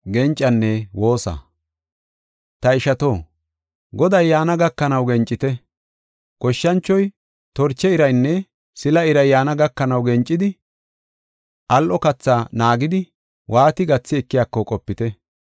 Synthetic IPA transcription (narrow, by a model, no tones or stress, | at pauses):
ɡɛnt͡ʃʼːɐnːɛwo̞ːsɐ̰ | t̪ɐɪʃɐt̪o̞ː | ɡɔd̪ɐjːaːnɐɡɐkːɐnɐwɡɛnt͡ʃʼːɪt̪ɛ | kɔʃːɐnt͡ʃːɔj | t̪ɔɾt͡ʃːɛɪɾɐjnːɛ | sɪlɐɪɾɐjːaːnɐɡɐkːɐnɐwɡɛnt͡ʃʼːɪd̪ɪ | ʔɐlʔɔkɐt͡sːaːnaːɡɪd̪ɪ | wʔaːt̪ɪɡɐt͡sːɪɛkːɪjaːkːɔkʼɔpːɪt̪ɛ